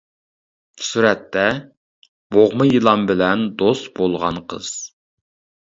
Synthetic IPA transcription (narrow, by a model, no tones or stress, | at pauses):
suɾɛt̪ːɛ | b̥oʁmɨjilˠɑmbɪlɛnd̪ost̪bolˠʁɑ̰nqʰə̰z̥